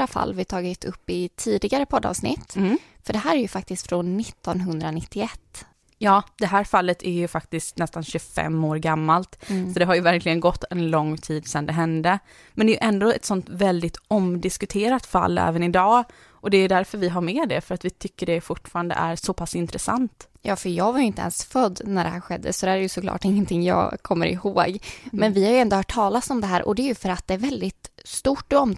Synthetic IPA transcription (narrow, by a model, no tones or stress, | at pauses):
afa̰lːvɪt̪ʰɑːɡɪt̪ʰɵpːɪt̪ʰiːd̪ɪɡaɾəpʰɔd̪ːɑ̰vsnɪ̰t̪ːfœɖɛɦæːɾæɾjɵfak̚t̪ɪst̪fɾɔnːɪt̪ːɔnɦɵnd̪ɾanɪt̪ʰːɪɛt̪ː | jɑːd̪̥ɛɦæːɾfalːət̪ʰæɾjɵfak̚t̪ɪskt̪nɛst̪anɕɵfɛ̰mːoːɾɡamːalt̪sɔd̪ɛɦaɾjɵvæɾklɪɡənɡɔt̪ːɛnlɔŋːt̪ʰiːd̪sɛnd̪ɛɦɛnd̪ə | mɛnd̪ɛjɵʔɛnd̪oɛt̪sɔnt̪vɛld̪ɪt̪ɔmd̪ɪskɵt̪ʰeːɾat̪fa̰lːɛ̰ːvənɪd̪ɑː | ʔɔd̪ɛːjd̪æɾfœɾvɪɦaɾmɛd̪ɛfœɾat̪vɪt̪ʰʏkːəɖɛfʊʈːfɑːɾand̪ə̰ʔæɾsɔpʰasɪnt̪ɾɛsa̰nt̪jɑːfœɾjɑːɡvaɾjʏɪnt̪əɛ̰nsfœd̪ːnæɖɛhæːɾɧɛ̰d̪ːə̰sɔd̪ɛhæɾɾjɵsɔkʰlɑ̰ːʈɪŋːənt̪ʰɪŋːjɑ̰ːkʰɔmːə̰ɾɪ̰hoːɡmɛnvɪhaɾjɵɛnd̪ʊhœːʈʰːɑːlasɔmd̪ɛɦæːɾʔɔ̰d̪ɛːjɵfœɾat̪̚d̪ɛæɾvɛld̪ɪt̪st̪uʈːɔm